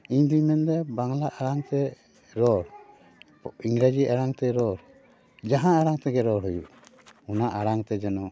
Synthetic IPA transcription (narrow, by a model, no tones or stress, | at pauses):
iɲd̪iɲmɛnd̪ɛbaŋlaʔaɾaŋt̪ɛ | ɾɔɾ | iŋɾad͡ʒiaɾaŋt̪ɛɾɔɾ | d͡ʒaɦãaɾaŋt̪ɛɡɛɾɔɾɦujuʔ | unaʔaɾaŋt̪ɛd͡ʒɛnɔ